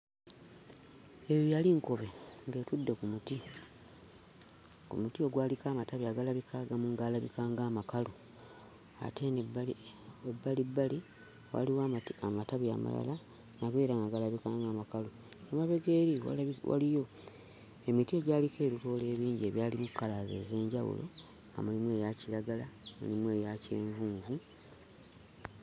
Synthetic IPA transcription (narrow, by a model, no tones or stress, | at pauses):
e̞jjaliŋkoβe̞ŋɡe̞tudːekumuti | kṵmutio̞ɡwaːlikaːmataβjaɡalaβikʰaɡamuŋɡalaβḭkaːŋɡaːmakalo | a̰te̞n | ebːalibːali | wa̰liwaːmamataβja̰ma̰la̰la | nakweːɾaŋaɡalaβikaːŋɡaːmakalo | amaβe̞ɡe̞ːɾiwa̰wa̰lijo̞ | emitie̞ɟaːlike̞ːɾuto̞ːle̞ːβiːɲɟie̞βjaːlimukːalaze̞̰ze̞ːɲɟawṵlo̰ | amulimwe̞ːjaciɾaɡalamṵlimwe̞ːjace̞ːɱvuːɱvu